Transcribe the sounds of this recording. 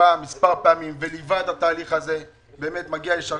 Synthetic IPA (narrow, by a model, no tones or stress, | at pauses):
amːispaʁpeamimvelivad̪hat̪aːliχaze̞ | be̞ːme̞t̪maɡialeʃal